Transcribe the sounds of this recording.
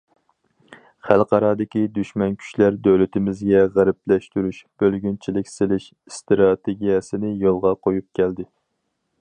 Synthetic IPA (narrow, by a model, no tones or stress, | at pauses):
χælˠqɑɾɑːd̪ɪkʲid̪yʃmɛnkʲʰy̥ʃlæɾd̪øwlɪt̪ʰɪmɪzɡʲɛʁæɾɪplɛʃt̪yɾyʃb̥ølɡʲynt͡ʃʰilɪkʲsɪlɪʃ | st̪ɾɑt̪ʰeɡʲijɛsɪnɪjolˠʁɑqʰojup̚kʲʰɛld̪ɪ